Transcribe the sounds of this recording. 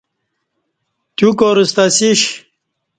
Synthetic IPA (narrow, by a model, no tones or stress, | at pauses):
t̪jukoɾust̪asiɕ